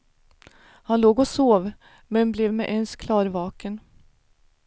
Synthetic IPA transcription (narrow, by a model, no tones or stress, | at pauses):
hanloːɡɔsoːv | mɛnblɛvmɛʔɛnskʰlɑːɾvɑːkən